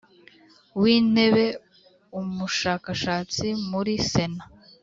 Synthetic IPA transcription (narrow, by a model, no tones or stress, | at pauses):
wiːne̞βe̞ | umuʃaːkaʃaːt͡simuɾise̞na